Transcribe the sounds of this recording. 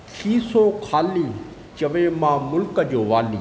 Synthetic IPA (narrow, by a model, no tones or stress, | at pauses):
kʰiːsõːkʰaːliː | t͡ʃɐʋeːmãːmʊlkəd͡ʒoːʋaːliː